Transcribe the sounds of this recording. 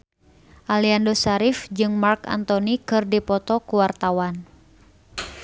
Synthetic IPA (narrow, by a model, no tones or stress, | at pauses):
ʔaliandosaɾifd͡ʒɨŋmarka̰nt̪ɔnikɨrdipɔt̪ɔkuwart̪awan